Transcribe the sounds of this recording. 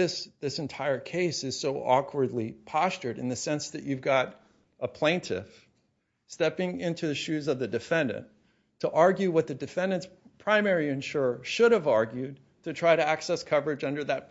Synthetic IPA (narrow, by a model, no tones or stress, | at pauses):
ɪsðɪsɨ̃n̩tʰaɪə˞kʰeɪsɨz̥soʊʔɔkʰwə˞dˡlipʰɑst͡ʃə˞ɾɨ̰̃nðɨsɛ̃nsðɨt͡ʃʉvɡɑɾ | ʔəpʰl̥ẽɪ̃ntʰɪ̰f | stɛpɪ̃ŋɪ̃ntʰʉðɨʃʉzʌvðɨdɨfɛ̃ndɨ̰̃n | tʰəʔɑɹɡjʉwʌt̪̚ðɨdɨfɛ̃ndɨ̃ntspʰɹ̥ãɪ̃mɛɹiɨ̃nʃʊɹʃʊɾɨvɑɹɡjʉd̚ | tʰɨtʰɹ̥aɪɾɨæksɛskʰʌvə˞ɨd͡ʒʌ̃ndə˞ðɨt̚